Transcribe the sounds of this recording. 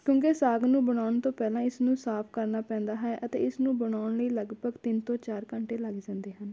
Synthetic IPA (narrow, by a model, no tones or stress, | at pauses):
kjõːkeːsaːɡnũːbəɽaːʊɳt̪õːpɛːlãːɪsnũːsaːpʰkəɾnaːpɛ̃ːnd̪aːɦɛːʔət̪ḛːɪsnũːbəɳaːʊɳləiːləɡbʱəɡt̪ɪnt̪õːt͡ʃaːɾkəɳʈeːləɡd͡ʒãːnd̪eːɦən